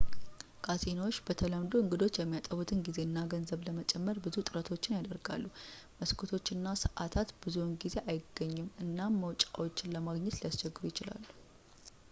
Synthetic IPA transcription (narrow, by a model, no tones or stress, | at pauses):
kʰazenawo̞t͡ʃːbət̪ʰəlamd̪oɨŋɡɨd̪o̞t͡ʃːjɛmːijat̪ʼəβut̪ʰɨnɡize̞ɨnːaɡənzəβləmət͡ʃʼɛmːəɾbɨzut̪ʼɨɾət̪ʰo̞t͡ʃːɪnjad̪əɾɡa̰lːu | məskʰot̪ʰo̞t͡ʃːɨnːasəʔat̪ʰat̪b̥ɨzunɡize̞ʔajɪɡːəɲːɪmɨnːamːəwt͡ʃʼawo̞t͡ʃːɪnləmaɡɲːɛt̪ljast͡ʃɛɡːɨɾujɪt͡ʃɪla̰lːu